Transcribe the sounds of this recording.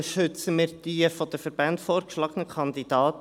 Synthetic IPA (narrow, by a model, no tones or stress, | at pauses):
ʃʏt͡səmɪːɾd̥iəfɔd̥̪əfəɾbæntfoːɾkʃlɑːɡənəkʰɑnd̪id̥̪ɑːt